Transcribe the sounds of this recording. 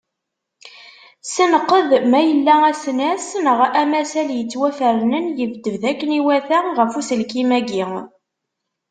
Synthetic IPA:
sənəqːəðmæjəlːææsnæsnəʁæmæsæljət͡sːwæfəɾnənjəvd̪əvðækːəniwæθæʁəfusəlkimæɡi

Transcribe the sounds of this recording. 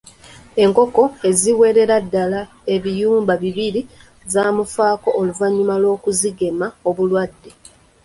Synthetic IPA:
e̞ŋko̞ko̞e̞ziwe̞ɾe̞ɾadːala | e̞βijuːmbaβiβiɾi | zaːmufaːko̞ʔoluvaɲːumalo̞ːkuziɡe̞maoβulwadːe̞

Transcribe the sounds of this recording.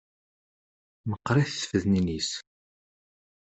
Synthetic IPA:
nəqːɾˤiθə̥fəðninis

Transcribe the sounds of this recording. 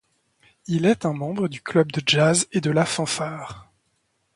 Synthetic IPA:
ilɛt̪ɛ̃mɑ̃bʁəd̪yklœbd̪əʒazed̪əlafɑ̃faːʁ

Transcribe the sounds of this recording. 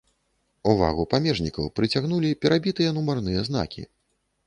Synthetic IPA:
uva̰ɣupamʲɛʐnʲikɐwpɾɨt͡sʲaɣnulʲipʲɛɾʔabʲit̪ɨjɛnumarnɨjɛzn̪a̰kʲḭ

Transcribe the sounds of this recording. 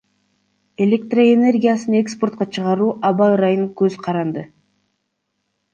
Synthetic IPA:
e̞lʲe̞k̚t̪roene̞rɡʲijasɯnekspo̞rt̪̚qɑt͡ʃʰɯʁɑɾuːʔɑβɑɾɑjɯŋkøzqʰɑɾɑnd̪ɯ

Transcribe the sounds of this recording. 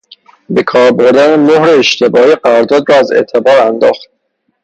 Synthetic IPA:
be̞kʰɒːɾboɾd̪ænemohɾeːʃt̪ʰe̞bɒːiɢæɾɒɾd̪ɒːd̪ɾɒːæzḛːt̪ʰe̞bɒːɾænd̪ɒːxt̪̚

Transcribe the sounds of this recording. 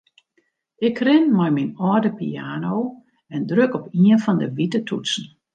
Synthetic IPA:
ʔɪkrɪnmajminɔdəpḭaːnow | ɛndrøkɔpiənfɔndəʋitətʰṵtsn̩

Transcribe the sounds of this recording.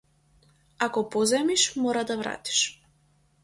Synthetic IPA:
akɔpɔzɛmiʃmɔɾad̪avɾa̰t̪i̥ʃ

